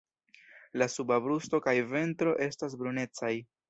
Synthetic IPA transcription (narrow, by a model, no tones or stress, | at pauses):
lasubabɾusto̞kajve̞ntɾo̞ʔe̞stas̬bɾune̞t͡saj